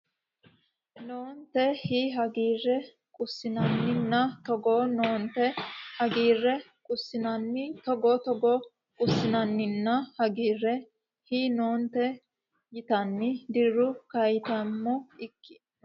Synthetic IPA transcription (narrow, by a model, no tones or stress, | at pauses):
noːnt̪ɛhiːɦɐɡiːrːɛ | kʼʊsːɪnɐnːɪnːɐt̪ɔɡoːnoːnt̪ɛhɐɡiːrːɛ | kʼʊsːɪnɐnːɪt̪ɔɡoːt̪ɔɡɔ | kʼʊsːɪnɐnːɪnːɐhɐɡiːrːɛ | hiːnoːnt̪ɛ | jɪt̪ɐnːɪd̪ɪɾːʊkɐjt̪ɐmːɔɪkːɪ